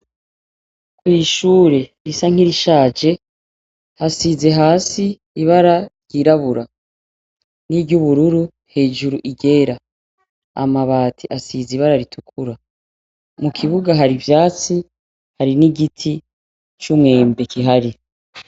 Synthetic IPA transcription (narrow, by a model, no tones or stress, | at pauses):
kwiːʃuːɾe̞ɾisaŋ̥iɾiʃaːd͡ʒe̞ | hasize̞ɦaːsiː | βaɾajiɾaβuɾa | nibɟuβuɾuɾu | he̞ːʒuɾuʔiɡe̞ːɾa | a̰maβaːtʰiʔasiziβaɾaɾitʰukʰuɾa | mukʰiβuɡaɦaɾivjaːt͡si | haɾiniɡitʰi | t͡ʃumŋe̞ːmbekʰiɦaɾi